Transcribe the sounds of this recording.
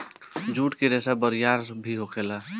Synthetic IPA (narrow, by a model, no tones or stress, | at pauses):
d͡ʒuːʈkeɾɛsabəɾijaɾbʱiɦokʰela